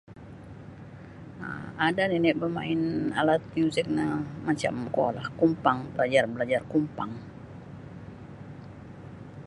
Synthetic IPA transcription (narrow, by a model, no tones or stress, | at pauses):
a̰adanɛnɛʔbəmaɪnalat̪̚muzɛk̚namat͡ʃa̰mko̰lahkumpaŋbəlad͡ʒarbəlad͡ʒarkumpaŋ